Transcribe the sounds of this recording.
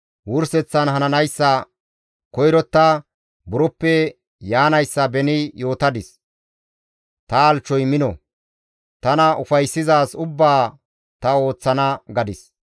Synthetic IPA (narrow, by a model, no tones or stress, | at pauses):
wʊɾsɛt͡sːɐnɦɐnɐnɐjsːɐ | kɔjɾɔt̪ːa | bʊɾɔpːɛ | jaːnɐjsːɐbɛnɪjo̞ːt̪ɐd̪ɪs | t̪ɐːlt͡ʃːɔjmɪnɔ̰ | t̪ɐnɐʔʊfɐjsːɪzaːsʊbːaː | t̪ɐo̞ːt͡sːɐnɐɡɐd̪ɪs